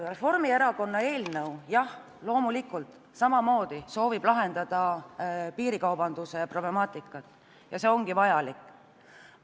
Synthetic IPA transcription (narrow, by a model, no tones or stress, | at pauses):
re̞fo̞rmie̞ɾɑko̞nːɑe̞ːlnəwjɑh | lo̞ːmulikːˑult̪ | sɑmɑmo̞ːd̪̥iso̞ːvib̥lɑɦe̞nd̪̥ɑd̪̥ɑpiːɾikɑwbɑnd̪usejɑpro̞ble̞mɑːt̪ˑikːˑɑt̪ːˑ | jɑse̞o̞ŋɡ̥ivɑjɑlikːˑ